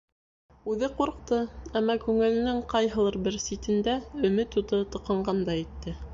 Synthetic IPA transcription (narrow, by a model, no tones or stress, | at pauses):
ʉðɘquɾq̚t̪ɤæmːɑkʉŋɘ̆lɘ̆nɘŋqɑjɦɤ̆lˠɤɾbɘɾsit̪ɘ̆nd̪æɵ̆mɘt̪ut̪ɤt̪ŏqɑɴɢɑnd̪ɑit̪ːɘ